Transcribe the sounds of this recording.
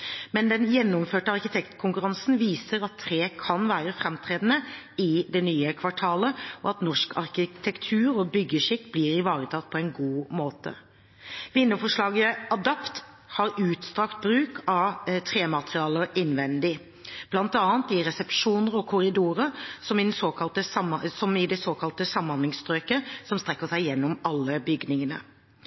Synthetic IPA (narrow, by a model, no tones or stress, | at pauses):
mɛnd̪ɛnjɛnːʊmføːʈəɑʁkɪt̪ʰɛkt̪kʰʊŋkʉɾɑnsn̩ʋiːsəɾɑt̪ʰːɾeːkʰɑnʋæːɾəfɾɛmt̪ʰɾeːd̪nə | ɪd̪ɛnyːəkʰʋɑʈʰɑːləɔ̰ɑt̪nɔʂkʰɑ̰ɾkɪt̪ʰɛkt̪ʰʉːɾɔbʏɡːəʂɪkːbliːɾɪʋɑːɾət̪ʰɑt̪̚ːpʰɔɛɪnɡuːmoːt̪ə̰ | ʋɪnːəfɔʂɭɑːɡəɑd̪ɑpt̪ | hɑɾʉːt̪st̪ʁɑkt̪̚bɾʉːkʰɑt̪ʰʁeːmɑt̪ʁɪɑːləɪnʋɛnd̪ɪ | b̥lɑnt̪ɑːənt̪ɪɾɛsɛpʂuːnəɾɔkʰʊɾɪd̪uːɾəɾsɔmɪd̪nsoːkɑlt̪əsɑsɔmɪd̪ɛsoːkʰɑlt̪əsɑmːɑnɪŋst̪ʁøːkəsɔmst̪ʁɛkːəsæɪjɛnːɔmɑlːəbʏɡnɪŋənə̰